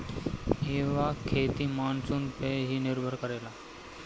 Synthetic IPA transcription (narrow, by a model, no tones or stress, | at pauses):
eʋakʰet̪iːmansuːnpeɦiːnɪɾbʱəɾkəɾela